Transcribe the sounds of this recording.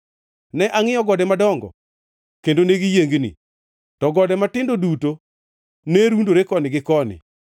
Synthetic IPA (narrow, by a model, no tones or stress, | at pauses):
nɛʔaŋɪjɔɡɔdɛmadɔŋɡɔ̰ | kendoneɡijeŋɡnḭ | tɔɡɔdɛmatɪndoduto | neɾundoɾekɔnɪɡɪkɔnɪ̰